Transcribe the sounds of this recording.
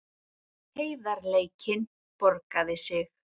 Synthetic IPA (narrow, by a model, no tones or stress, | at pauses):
heːjðaɾleːjcɪn | pɔɾkaðɪsɪx